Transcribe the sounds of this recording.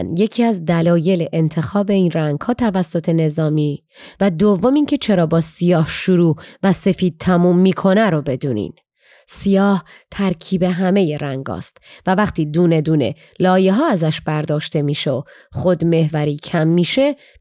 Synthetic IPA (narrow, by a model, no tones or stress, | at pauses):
nje̞cʰiːæzd̪ælɒːje̞leʔent̪ʰe̞xɒːbe̞iːnræŋɡ̥hɒːt̪ʰævæsːo̞t̪ʰe̞ne̞zɒːmiː | væd̪ovːo̞miːŋcʰe̞t͡ʃʰe̞ɾɒːbɒːsijɒːhʃuɾuːvæse̞fiːd̪̥̚t̪ʰæmuːmːiːkʰo̞næɾobe̞d̪uːnḭːn | sijɒːht̪ʰæɾcʰiːbe̞ɦæme̞je̞ɾæŋɡɒ̰ːst̪vævæχt̪ʰiːd̪uːne̞d̪uːne̞̰ | lɒːje̞ɦɒːæzæʃbæɾd̪ɒːʃt̪e̞miːʃeoxo̞d̪me̞hvæɾiːcʰæmːiːʃe̞